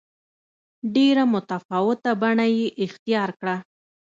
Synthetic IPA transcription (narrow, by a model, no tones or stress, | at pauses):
ɖeɾamʊt̪afɑwɪt̪abaɳajeʔɪxt̪ijɑɾkɽa